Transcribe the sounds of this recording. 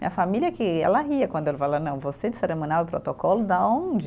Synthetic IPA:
mḭ̃ɲɐfamilʲiɐkɪɛ̰lɐɦiɐkwɐ̃nd̪ʊɛlɪfalanɐ̃w̃vosed͡ʒɪseɾemõniawpɾɔt̪okɔlʊd̪aõd͡ʒɪ

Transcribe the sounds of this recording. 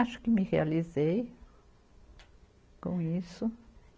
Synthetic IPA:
aʃʊ̥kɪmɪhealizej | kõ̰isʊ

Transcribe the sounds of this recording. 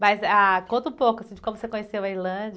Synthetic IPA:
mɐzakõt̪ɐ̃ũpokʊasĩd͡ʒɪkõmʊvosekõɲesewɐiɾlɐ̃d͡ʒ

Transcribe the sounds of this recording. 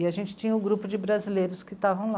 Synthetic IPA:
ɪaʒẽnt͡ʃɪ̥t͡ʃĩɲɐʊɡɾupʊd͡ʒɪbɾazilejɾʊskɪt̪avɐ̃w̃la

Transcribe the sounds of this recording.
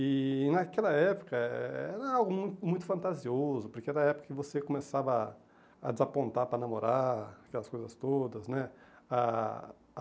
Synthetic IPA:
ɪnakɛlɐɛpʊ̥kɐɛɾɐawɡʊmũj̃t̪ʊmũj̃t̪ʊfɐ̃nt̪aziozʊpoɾkeɛɾɐɛpʊ̥kɐkɪvosekomesavɐ | ɐ̰d͡ʒɪzapõnt̪aɾpɾɐnamoɾaɾakɛlɐskojzɐst̪od̪ɐznɛa

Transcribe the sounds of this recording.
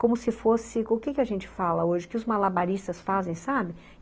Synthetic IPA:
kõmʊsɪfosɪʊkɪkɪaʒẽnt͡ʃɪ̥falɐoʒɪkɪʊzmalabaɾist̪ɐsfazẽj̃sabɪ

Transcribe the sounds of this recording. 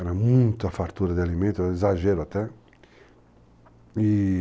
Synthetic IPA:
ɛɾamunt̪afaɾt̪uːɾad̪ialimɛ̃nt̪oɛzaʒɛɾoat̪ɛ | i

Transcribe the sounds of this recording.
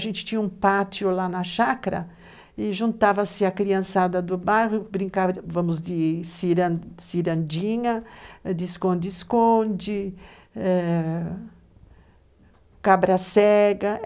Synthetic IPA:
ʒẽnt͡ʃ̪ɪ̥t͡ʃ̪ĩɲɐũpat͡ʃiʊlanɐʃakaɾɐ̰ | ɪʒũnt̪avɐsɪɐkɾiɐ̃sad̪ɐd̪ʊbajʁjʊbɾĩŋkavɐ̃mʊzd̪ɪsiɾɐ̃siɾɐ̃nd͡ʒĩɲɐd̪ɪskõnd͡ʒ̪ɪskõnd͡ʒɪ | ɛ | kabɾɐsɛɡɐ

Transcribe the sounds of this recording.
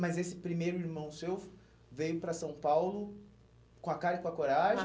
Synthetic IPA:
mɐzesɪpɾimejɾʊiɾmɐ̃w̃sew | vejʊpɾɐsɐ̃w̃pawlʊ | kõɐkaɾɪkõɐkoɾaʒẽ

